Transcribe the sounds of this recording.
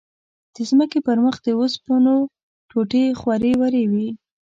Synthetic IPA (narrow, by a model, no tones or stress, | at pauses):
d̪̥əzməkepəɾməxd̪əospəno | ʈʰoʈexwaɾewaɾewi